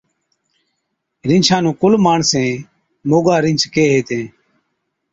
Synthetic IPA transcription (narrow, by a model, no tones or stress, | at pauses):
ɾɪ̃nt͡ʃʰãːnũːkʊlmaːɳsẽː | moːɡaːɾɪ̃nt͡ʃkeːɦeːt̪ẽː